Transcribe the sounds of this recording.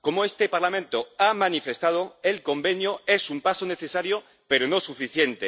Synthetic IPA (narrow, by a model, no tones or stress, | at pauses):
ko̞moe̞st̪e̞paɾlamẽ̞nt̪oamanife̞st̪að̞oe̞lko̞mbe̞njoe̞sumpaso̞ne̞θe̞saɾjo | pe̞ɾono̞sufiθje̞nt̪e